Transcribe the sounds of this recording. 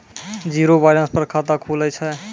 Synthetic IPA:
d͡ʒiːɾobaːɪɾãspəɾkʰat̪akʰulət͡ʃʰɛ

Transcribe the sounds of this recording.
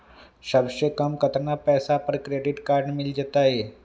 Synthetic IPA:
ɕəbɕekəmkət̪napɛsapəɾkɾeɖiʈkaɾɖmild͡ʑet̪aje

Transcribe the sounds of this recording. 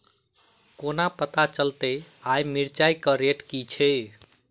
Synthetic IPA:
konapət̪at͡ʃəlt̪əjajmiɾt͡ʃajkəɾeʈkit͡ʃʰɛj

